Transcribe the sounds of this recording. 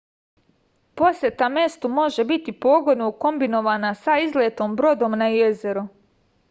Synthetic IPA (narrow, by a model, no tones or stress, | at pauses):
po̞sjet̪ame̞st̪umo̞ʒe̞bit̪ipo̞ːɡo̞d̪noko̞mbino̞ʋaːnasaizleːt̪o̞ːmbɾo̞d̪o̞mnajeze̞ɾu